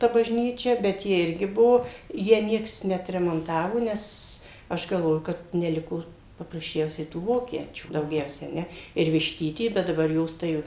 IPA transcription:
tɐ bɐʒʲˈnʲiːt͡ʃʲɛ bʲɛt ˈjɪ ˈɪrʲɡʲɪ ˈbuɔ ˈjæː ˈnʲiɛks nʲɛɐtʲrʲɛmoːnˈtɑːʋoː ˈnʲɛs ˈɐʃ ɡɐlˠˈʋoːjʊ kɐt nʲɛˈlʲɪkoː pɐprɐsʲˈt͡ʃʲɛʊsʲɛɪ tuː ˈʋoːkʲiɛt͡ʃʲuː dɐʊˈɡʲɛʊsʲɛ ɐ ˈnʲɛ ɪr ʋʲɪʃʲˈtʲiːtʲiː ˈbʲɛt dɐˈbɐr ˈjoːs tɐɪ jɛʊ

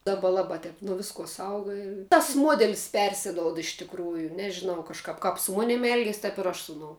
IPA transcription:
ˈdɑːbɐ ˈlˠɑːbɐ ˈtʲɛp nuɔ ˈʋʲɪskuɔ ˈsɐʊɡɐ ɪ tɐs ˈmuɔdʲɛlʲɪs ˈpʲɛrʲsʲɪdoːʊt ɪʃ tʲɪkˈruːjʊ nʲɛʒʲɪˈnɐʊ kɐʃˈkɐp kɐp sʊ ˈmoːnʲɪm ˈɛlʲɡʲiɛs tɐp ɪr ˈɐʃ ˈsʊ ʊˌnoːʊ

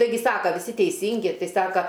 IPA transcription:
tɐɪˈɡʲɪ ˈsɑːkɐ ʋʲɪˈsʲɪ tʲɛɪˈsʲiːŋʲɡʲɪ ˈtɐɪ ˈsɑːkɐ

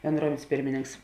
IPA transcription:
bʲɛnˈdruɔmʲɛnʲsʲ ˈpʲɪrʲmʲɪnʲɪŋks

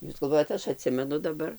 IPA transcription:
ˈjuːs ɡɐlˠˈʋoːjɛt ˈɐʃ ɐˈtʲsʲɪmʲɛnʊ dɐˈbɐr

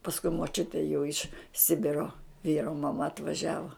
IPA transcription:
pɐsˈkʊɪ moːˈt͡ʃʲʊtʲeː jɛʊ ɪʃ ˈsʲɪbʲɪroː ˈʋʲiːroː mɐˈmɐ ɐtʋɐˈʒʲæːʋoː

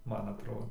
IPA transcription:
ˈmɐn ɐtˈroːdoː

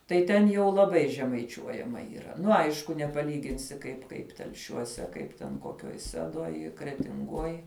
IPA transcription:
tɐɪ ˈtʲɛn jɛʊ lˠɐˈbɐɪ ʒʲɛmɐɪˈt͡ʃʲuɔjɛmɐ iːˈrɐ ˈnʊ ˈɐɪʃkʊ nʲɛpɐˈlʲiːɡʲɪnʲsʲɪ kɐɪp ˈkɐɪp tʲɛlʲˈʃʲuɔsʲɛ ˈkɐɪp tʲɛn koːˈkʲoːj ˈsʲæːdoːj krʲɛtʲɪŋˈɡoːj

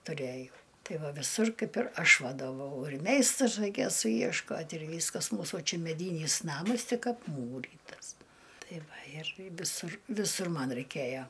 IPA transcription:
tʊˈrʲæːjɛʊ ˈtɐɪ ˈʋɐ ʋʲɪˈsʊr ˈkɐɪp ɪr ˈɐʃ ʋɐdoːˈʋɐʊ ɪr ˈmʲɛɪstrʊs rɐɪˈkʲeːjoː sʊjiɛʃˈkoːtʲ ɪr ˈʋʲiːskɐs ˈmuːsuː ˈt͡ʃʲɛ mʲɛˈdʲiːnʲiːs ˈnɑːmɐs ˈtʲɪk ɐpˈmuːrʲiːtɐs ˈtɐɪ ˈʋɐ ɪr ʋʲɪˈsʊr ʋʲɪˈsʊr ˈmɐn rɐɪˈkʲeːjoː

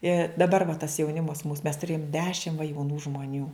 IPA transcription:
ɪ dɐˈbɐr ʋɐ tɐs jɛʊˈnʲɪmɐs muːs mʲɛs tʊˈrʲeːjoːm ˈdʲæːʃʲɪm ʋɐ jɛʊˈnuː ʒmoːˈnʲuː

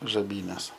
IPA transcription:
ʒɐˈbʲiːnʲɛs

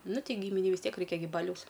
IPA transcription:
ˈnʊ ˈtʲɛɪ ˈɡʲiːmʲɪnʲɛɪ ʋʲɪs ˈtʲiɛk ˈrɐɪkʲɛ ɡʲɪ ˈbɑːlʲɛʊs

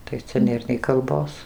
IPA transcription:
tɐɪ ˈt͡sʲɛ ˈnʲeːr nʲɛɪ kɐlˠˈboːs

